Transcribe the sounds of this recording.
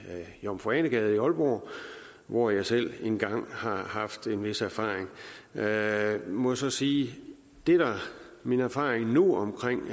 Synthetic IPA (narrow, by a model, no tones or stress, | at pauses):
jɒmfoɛːnəɡ̥ɛːð̞̩ˠiɒ̽lb̥ɒ̰ː | ʋɒjɑ̈ɪsel̰e̝nɡ̥ɑ̈ŋ̰hɑ̈hɑ̈fd̥e̝nʋe̝sæɐfɑ̰̈ːeŋ | mɒ̽sɒ̽siː | d̥e̝d̥æ | minæɐfɑ̰̈ːʁeŋnuɒ̽mkʰʁeŋ̰